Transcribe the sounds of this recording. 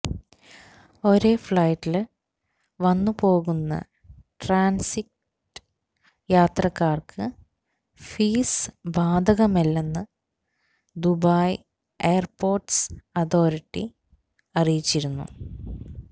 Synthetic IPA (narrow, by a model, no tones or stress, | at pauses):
o̞ɾe̞ːfɭɐjʈːil | ʋɐnːɨpo̞ːɣunːɐ̰ | ʈraːnsik̚ʈʈ | ɨ̥ | jaːt̪rɐkːaːrkʰɨ | fiːsbaːd̪ʱɐɣɐmelːenːɨ | d̪ubaj | eːɐrpo̞ːrʈsɐt̪ʰo̞ːɾiʈːi | ɐrijit͡ɕːiɾunːṵ